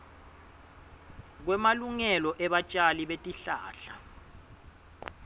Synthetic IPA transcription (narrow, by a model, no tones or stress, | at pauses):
k̬wɛmaluŋɛlɔʔɛɓat͡ʃʼaliɓetʼiɬa̰ːɬa